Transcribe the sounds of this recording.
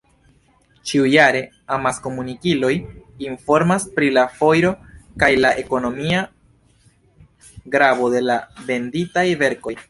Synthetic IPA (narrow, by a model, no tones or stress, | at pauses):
t͡ʃiujaɾe̞ | amasko̞munikilo̞jinfo̞ɾmaspɾilafo̞jɾo̞kajlaʔe̞ko̞no̞mia | ɡɾabo̞de̞lave̞nditajve̞ɾko̞j